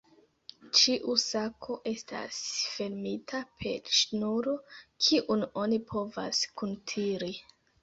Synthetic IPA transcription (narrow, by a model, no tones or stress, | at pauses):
t͡ʃiʔusakʰo̞ʔe̞sta̰sfe̞ɾmitʰapʰe̞̰ʃnuɾo̞kʰiʔuno̞nipʰo̞va̰skuntʰiɾi